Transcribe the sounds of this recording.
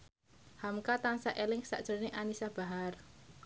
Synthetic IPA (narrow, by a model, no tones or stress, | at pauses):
hamkat̪aŋsaʔelɪŋsa̰ʔd̥ʒ̥ə̤neʔanisab̥a̤ɦar